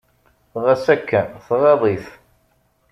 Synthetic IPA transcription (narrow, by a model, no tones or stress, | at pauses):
θʁæsækːənθʁɑðˤiθ